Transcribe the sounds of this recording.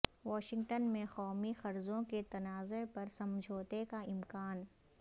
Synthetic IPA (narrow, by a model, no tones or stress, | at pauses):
ʋɔːʃɪ̃ŋɡʈənmẽxɔːmixɐɾzõket̪ɐnaːzepɐɾsɐ̃md͡ʒʱoːt̪ekaɪmkaːn